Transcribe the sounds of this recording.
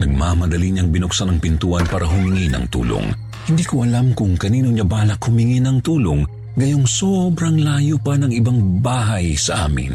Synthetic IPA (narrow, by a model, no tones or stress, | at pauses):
nɐɡ̚mamɐd̪ɐliɲaŋbɪnʊk̚sanɐŋpɪnt̪uːʔɐnpaːɾɐɦʊmɪŋinɐ̰ŋt̪ṵːlo̰ŋ | hɪnd̪iːkoʔɐlamkʊŋkɐniːnoɲabaːlɐkhʊmɪŋɪnɐŋt̪uːloŋ | ɡɐjoŋsobɾɐŋlaːjupɐnɐŋɪbaŋbaːɦɐjsɐʔa̰ːmɪ̰n